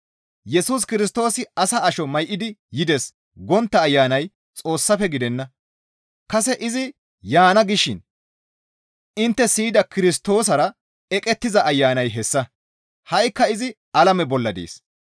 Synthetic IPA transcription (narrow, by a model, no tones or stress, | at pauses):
jɛsuːs̬kɪɾɪs̬t̪o̞ːsɪɐsɐːʃɔmɐjʔɪd̪ɪjɪd̪ɛs | ɡɔnt̪ːɐːjːaːnɐj | t͡sʼo̞ːsːɐfɛɡɪd̪ɛnːɐ | kɐsɛʔɪzɪ | jaːnɐɡɪʃːɪn | ɪnt̪ːɛsiːd̪ɐkɪɾɪs̬t̪o̞ːs̬ɐɾɐ | ɛkʼɛt̪ːɪzɐʔɐjːaːnɐjɦɛsːɐ | hɐjkːɐɪzɪ | ɐlɐmɛbɔlːɐd̪ḛːs